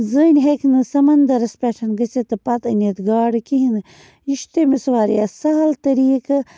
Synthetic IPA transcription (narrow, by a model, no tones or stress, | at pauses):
zənʲɦekʰnɨsɐmɐnd̪ɐɾɐspʲeʈʰɐnɡɐset̪ɨpɐt̪ɐnʲet̪ɡaːɽɨkiɦinɨ | iʃt̪emisʋaːɾ̰jasɐɦɐlt̪ɐɾiːkɨ